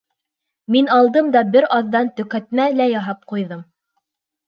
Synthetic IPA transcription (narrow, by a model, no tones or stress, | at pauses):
minɑlˠd̪ɤmd̪ɑbɘɾʔɑðːɑnt̪ɵ̆kæt̪̚mælæjɑɦɑp̚qujðɤm